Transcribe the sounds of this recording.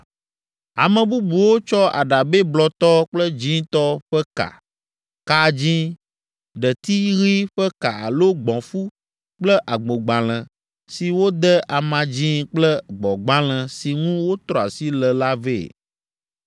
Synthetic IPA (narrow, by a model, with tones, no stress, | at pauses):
a˨mẽ˨bu˦bu˨wo˦t͡ʃɔ˦a̰˨ɖa˨be˦blɔ˨t̪ɔ˦k͡plə˦d͡ʒĩ˦t̪ɔ˦ɸɛ˦ka̰˨ | ka˦d͡ʑĩ˦ | ɖə˨t̪i˦ɣi˦ɸɛ˦ka˨a˨lo˦ɡ͡bɔ̃˨fu˦ | k͡plə˦ʔa˨ɡ͡bo˨ɡ͡ba˨l̃ɛ̃˨ | si˨wo˦d̪ɛ˦ʔa˨mã˨d͡ʑĩ˦k͡plə˦ɡ͡bɔ˨ɡ͡ba˦l̃ɛ̃˨si˨ŋũ˦wo˦t̪ɾɔ˨a˨si˦lə˨la˦vḛ˦˨